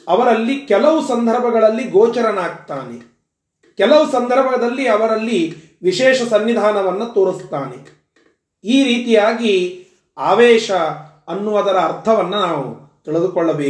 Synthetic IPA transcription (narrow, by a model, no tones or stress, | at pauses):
ɐʋɐɾɐlːikɛlɐʋusɐnd̪ʱɐɾbʱɐɡɐɭɐlːiɡoːt͡ʃɐɾɐnaːɡ̚t̪aːne | kɛlɐʋusɐnd̪ʱɐɾbʱɐɡɐd̪ɐlːiɐʋɐɾɐlːi | ʋiʃɛːʃɐsɐnːid̪ʱaːnɐʋɐnːɐt̪oːɾist̪aːne | iːɾiːt̪ijaːɡi | aːʋɛːʃɐ | ɐnːuʋɐd̪ɐɾɐːɾt̪ʰɐʋɐnːɐnaːʋu | t̪iɭed̪ukɔɭːɐbeː